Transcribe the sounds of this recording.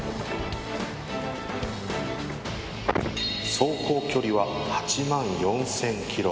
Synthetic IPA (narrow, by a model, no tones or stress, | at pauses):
so̞ːko̞ːkʲo̞ɾʲiβahat͡ɕimãɰ̃jõ̞ñsẽ̞ŋkʲʰiɾo̰